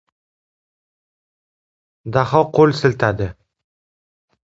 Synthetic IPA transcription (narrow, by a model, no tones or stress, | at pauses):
d̪aχɒqʰolsɪlt̪ʰad̪ɪ